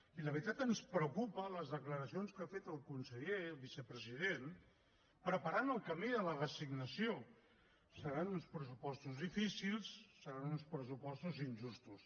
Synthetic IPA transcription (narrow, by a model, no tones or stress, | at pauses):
iləβɾit̪at̪ənspɾəwkupələzðəkləɾəsionskafet̪əlˠkunsəʎeβisəpɾəzið̞en | pɾəpəɾanəlˠkəmiðələrəsiɡnəsio | səɾanunspɾəs̬upɔst̪uzðifisilˠsːəɾanunspɾəsupɔst̪uzinʲʒust̪us